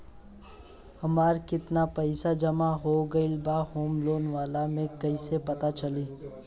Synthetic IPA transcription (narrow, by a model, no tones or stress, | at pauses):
hɐmaːɾkɪt̪napɛɪsad͡ʒɐmaɦoːɡɐɪlbaːhoːmloːnʋaːlamẽkɐisepɐt̪at͡ʃɐliː